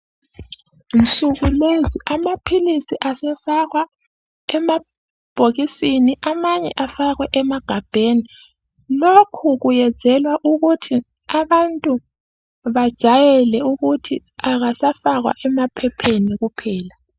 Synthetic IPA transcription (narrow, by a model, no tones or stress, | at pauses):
n̩t͡sʼuɣuleziʔamapʰilisiʔasɛfaɣwa | ɛma | b̥ʱoɣisiniʔamaɲɛ̰ʔafaɣwɛʔɛmaɡ̥ʱab̥ʱeni | lokʰuɣujɛ̥d͡z̥ʱɛlwaʔuɣutʰi | aβantʼu | βad̥ʒ̥ʱajɛlɛuɣutʰiaɣasafaɣwa̰ʔɛmapʰɛpʰeniɣupʰɛːla